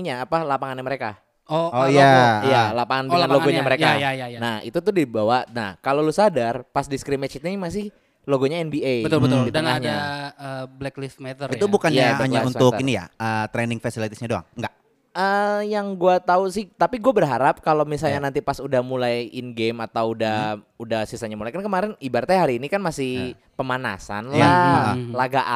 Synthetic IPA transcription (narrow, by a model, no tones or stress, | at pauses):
ɲaːpalapaŋanɲaməɾeka | ooijajalapaŋanbiŋanloɡoɲaməɾekajanahḭt̪ut̪ʊhdibawana̰hkalolusadarpasdiskɾimɛt͡ʃit̪mas̬ɪh | loɡoɲaɛnbiebət̪ditdənaɲaəblɛklɪfmɛt̪əit̪ubukanjaaɲaunʊkinija̰əːt̪ɾɛnɪŋfasilit̪isɲadoa̰ŋŋɡaʔ | əjaŋɡuat̪ausɪht̪apiɡuabərɦaɾap̚kalomisalɲanant̪ipasudahmulajɪnɡemat̪awudahudahsisaɲamulajkankəmaɾɪnibaɾt̪aɦaɾiːnikanmasɪh | pəmana̰sa̰nlalaɡaʔa